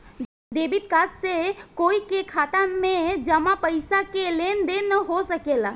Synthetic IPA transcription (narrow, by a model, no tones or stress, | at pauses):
d̪eːbɪt̪kaːssekoːikekʰaːt̪amẽd͡ʒɐmapəɪsakeleːnd̪enəɦosəkeːlaː